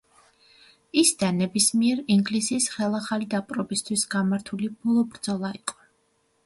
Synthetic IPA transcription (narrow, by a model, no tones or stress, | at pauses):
isd̪anːɛbismiɛɾiŋɡlisiːsχɛlˠaχalid̪apʼɾɔbist̪ʰwisɡamaɾt̪ʰulib̥ɔlˠɔbɾd̪zɔlˠaiqʼɔ̥